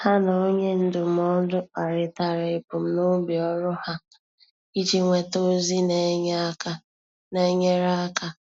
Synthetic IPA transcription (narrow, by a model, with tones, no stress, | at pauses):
ha˦na˨o˦ɲe˦n̩˦dʊ˨m̩˦˨ɔ˦dʊ˦a˨ɾɪ˨ta˨ɾe˨ɪ˨pʊ˨m̩˨no˦bi˨ɔ˦ɾʊ˦ha˦ | i˦d͡ʒi˦ŋʷe˨to˦zi˦ne˨˦ɲ˦ka˦ | ne˨˦ɲe˦ɾa˦a˦ka˦